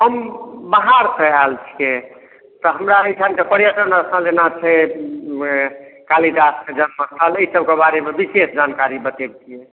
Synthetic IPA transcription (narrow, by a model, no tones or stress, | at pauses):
ɦəmbaɦaɾsəalt͡ʃʰi̥ke | t̪ɔɦəmɾaəjʈʰankepəɾjəʈənaəsãlenat͡ʃʰɛ | kaliʈasked͡ʒənməst̪ʰələisəb̚kebaɾemebisesd͡ʒankaɾibət̪eb̚t͡ʃʰijɛ